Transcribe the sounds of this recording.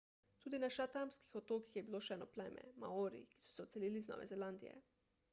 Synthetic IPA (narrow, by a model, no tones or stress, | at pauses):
t̪uːd̪inaʃat̪amskixɔt̪oːkixjɛbiloːʃɛːnɔplɛːmɛ̰ma̰oɾḭki̥sɔ̥sɛɔt̪sɛliːliznɔ̰ːʋʔɛ̰zɛland̪ḭjɛ̰